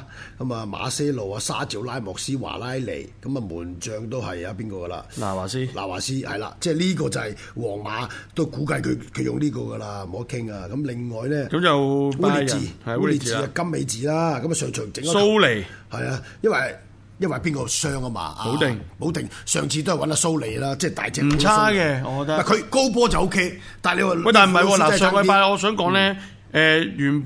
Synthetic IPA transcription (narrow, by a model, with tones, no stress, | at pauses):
kɐ˨˦ma˨ma̰ː˨˧sɛː˥lo˨waː˧saː˥t͡si˨˥wlaː˥jmɔː˨k̚siː˥wa̰ː˨˩laː˥jlḛ˨˩jkɐ˨˥mɐ˧muː˨˩nt͡ʃœː˨˧ŋt̪o˥whɐ˨jaː˧piː˥nkɔː˧ɡɐ˧la̰ː˧laː˨˩waː˨˩siː˥la̰ː˨˩waː˨˩siː˥hɐ̰˨jla̰ː˧t͡sɛː˥˩liː˥kɔː˧t͡sɐ˨hɐ˨j | wɔː˨˩ŋmaː˨˥t̪o˥wkuː˨˥kɐ˧jkʰɵ˨˧kʰɵ˨˧ɥjʊ˨ŋliː˥kɔː˧ɡɐ˧laː˧mo˨˦ɐ˥kʰːɪ˥ŋaː˧kɐ˨˦mlɪ˨ŋːɔː˨jlɛː˥kɐ˨˦mt͡sɐ˨wwuː˥li˨iː˧˥i˨iː˨˧a˧kɐ˥mːe˨˧jt͡siː˨laː˥kɐ˨˥mːɐ˨˩sœː˨ŋt͡ʃʰœ˨˩ŋt͡sɪ˨ŋɔ˥so˥wle˨˩jhɐ˨jaː˧jɐ˥nwɐ˨˩ | jɐ˥nwɐ˨jpiː˥nkɔː˧sœː˥ŋɐ˧ma̰ː˧a̰˨˧wŋpo˨˥wt̪ɪ˨ŋsœː˨ŋt͡sʰiː˧t̪o˥jwɐ˨˥naː˧so˥wle˨˩jlaː˥t͡sɛː˥˩t̪a̰ː˨jt͡sɛː˧k̩̪ʰ˨˦asːkɛ˧ɔ˧kɔ˧t̪ɐ˥mɐ˨˩kʰɵ˨˧ɥko˥wp̬ɔː˥t͡sɐ˨wʔo˥wkʰe˥j | t̪aː˨nle˨˧waː˨˩mɐ˧jt̪ːm̩˨hɐ˨jwɔː˧laː˨ɛ˥sːŋɔː˨˥paː˧˨ɔː˨˧sœː˨˥ŋkɔː˨˥ŋlɛː˥ | ɛ˨˧jyː˨˩n